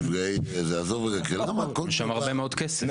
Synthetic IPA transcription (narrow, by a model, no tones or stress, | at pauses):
vʁejzeazoveʁakelamakoʃamaʁbbemeo̞d̪kese